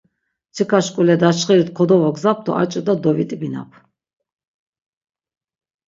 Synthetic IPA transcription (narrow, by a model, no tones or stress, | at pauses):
t͡sʰikʰaʃkʼulɛd̪at͡ʃχiɾit̪kʰɔd̪ɔvaɡzap̚ʰd̪ʰɔ̰ʔat͡ʃʼd̪ad̪ɔvit̪ʼbina̰pʰ